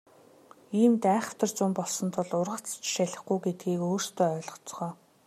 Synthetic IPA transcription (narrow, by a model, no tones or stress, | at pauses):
iːmt̪æːχə̆w̥ʰt̪ə̆rt͡sʊmpɔɮsɞ̆nt̪ʰʊ̆ɮʊrʁə̆t͡st͡ɕʃaɮə̆χɡujɡet̪̚ɡiːkoːr̥st̪ʰœːœːɮʁɞ̆t͡sʁœː